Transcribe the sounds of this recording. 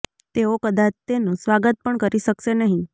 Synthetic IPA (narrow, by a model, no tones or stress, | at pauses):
t̪eokəd̪at͡ʃt̪enũsʋaɡət̪̚pəɳkəɾiʃəkʃenəɦĩ